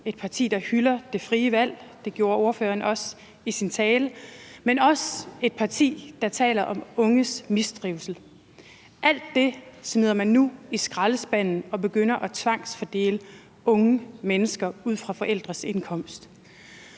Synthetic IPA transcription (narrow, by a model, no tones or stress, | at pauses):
e̝d̥̚pʰɑ̈t͡sʰḭːd̥ɑ̈hylɐd̥e̝fʁiːəʋæl̰d̥e̝ɡ̥jo̝ːɐo̝ɐføːɐnɒ̽s | isint͡sʰɛːləmenɒ̽se̝d̥̚pʰɑ̈t͡sʰḭːd̥ɑ̈t͡sʰɛ̰ːlɐʔɒ̽mɔ̽ŋəsmisd̥ʁiʊsl̩ | ʔæl̰d̥ːe̝smiðˠɐmænːuisɡ̥ʁɑləsb̥æn̰n̩ɒ̽b̥e̝ɡ̥øn̰ɐʔɒ̽t͡sʰʋɑ̈ŋ̰sfɒd̥e̝̰ːlə | ɔ̽ŋəmenəsɡ̥ɐuð̞̰ˠfʁɑ̈fɒ̽ʔel̰d̥ʁɐse̝nkʰɒ̽m̰sd̥